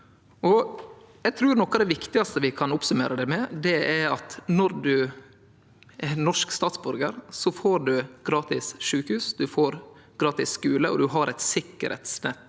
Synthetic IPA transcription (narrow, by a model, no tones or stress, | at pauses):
ɔ | jæɡt̪ʰɾʉːɾnɔkːɑd̪ɛʋɪkt̪ɪɡɑst̪əʋɪkʰɑnʊpsʉmḛːɾəd̪ɛmɛd̪ɛɛɑt̪nɔɾd̪ʉ | ɛnɔʂkst̪ɑːt̪sbʉɾɡəɾsɔfoːɾɖʉɡ̥ɾɑːt̪ɪsʂʉːkhʉːsd̪ʉfoːɾ | ɡ̥ɾɑːt̪ɪsːkʉːləʔɔ̰d̪ʉɦɑɾʔɛɪt̪sɪkːə̰ɾhɛ̰t̪snɛt̪ː